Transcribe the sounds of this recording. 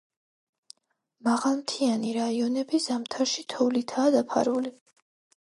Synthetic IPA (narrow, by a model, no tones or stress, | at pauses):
maʁalˠmt̪ʰianiɾaiɔnɛbizamt̪ʰaɾʃit̪ʰɔvlit̪ʰaːd̪apʰa̰ɾuli